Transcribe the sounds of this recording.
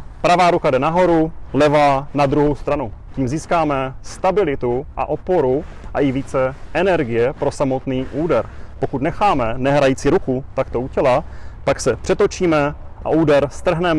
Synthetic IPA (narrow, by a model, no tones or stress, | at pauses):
pɾavaːɾukadɛnaɦo̞ɾulɛvanad̪ɾuɦowst̪ɾanuciːmziːskaːmɛst̪abɪlɪt̪uʔa̰ʔo̞po̞ɾu | ʔaʔɪviːt͡sɛʔɛnɛɾɡɪjɛpɾo̞samo̞t̪niːʔuːdɛɾpo̞kut̪nɛxaːmɛnɛɦɾajiːt͡siɾukut̪akt̪o̞ucɛlapaksɛpr̥ɛt̪o̞t͡ʃiːmɛʔa̰ʔuːdɛɾst̪r̩ɦnɛm